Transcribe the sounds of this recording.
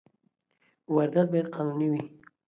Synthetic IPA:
waɾd̪at̪̚bajaɾ̚qʰɑnuniwi

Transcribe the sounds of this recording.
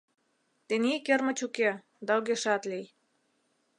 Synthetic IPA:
t̪enikĕrmə̆t͡ɕuke | d̪ɑoɣeʃɑt̪lij

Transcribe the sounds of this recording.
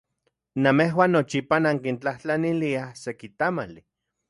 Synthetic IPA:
nameɦwaːnːot͡ʃipanaŋkint͡ɬaht͡ɬaniliahsekit̪amali

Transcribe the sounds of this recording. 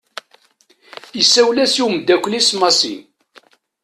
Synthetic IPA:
əsːæwlæsiwmd̪ːækʷːlismɑsḭn

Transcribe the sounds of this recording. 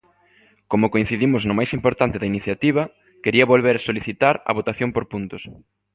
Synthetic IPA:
komʊkoin̟θiðimʊznʊmajsimpoɾt̪ant̪ɪðɐiniθjat̪iβ̞ɐ | keɾiɐβolβeɾɐsoliθit̪aɾɐ̰βot̪aθjompoɾpunt̪ʊs

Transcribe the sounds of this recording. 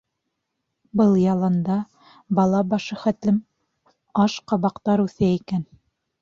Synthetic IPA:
bɤlˠjɑlˠɑnd̪ɑ | bɑlˠɑbɑʃɤχæt̪lɘm | ɑʃqɑβɑqt̪ɑɾʉθæikæn

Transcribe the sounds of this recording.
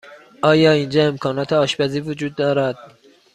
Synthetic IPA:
ʔɒːjɒːiːnd͡ʒɒːe̞mkʰɒːnɒːt̪ʰeɒːʃbæziːvod͡ʒuːd̪̚ːɒːɾæd̪̥

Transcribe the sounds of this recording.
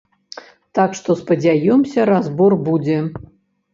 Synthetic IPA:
t̪akʂt̪ɔspɐd͡zʲajɔmsʲɐɾazbɔrbud͡zʲɛ

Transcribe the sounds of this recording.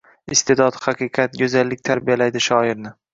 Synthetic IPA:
ɪst̪ʰe̞d̪ɒt̪hɑqʰɨqʰɑt̪̚ɡʲozalːɪk̚ʲt̪ʰaɾbijalajd̪ɪʃɒɪɾnɪ

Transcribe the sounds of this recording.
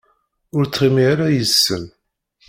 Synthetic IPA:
ʊɾt͡sːχimiaɾajəsːən

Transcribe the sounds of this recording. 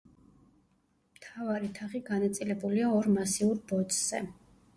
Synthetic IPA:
mt̪ʰavaɾit̪ʰaχiɡanat̪sʼilɛbuliaɔɾmasiuɾbɔt̪ʼz̥ɛ̰

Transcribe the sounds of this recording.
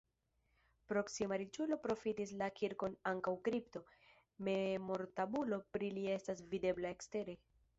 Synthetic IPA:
pɾo̞ksimaɾit͡ʃulo̞pɾo̞fitislakiɾko̞naŋkawkɾipto̞ | me̞mo̞ɾtabulo̞pɾilie̞stasvide̞blae̞kste̞ɾe̞

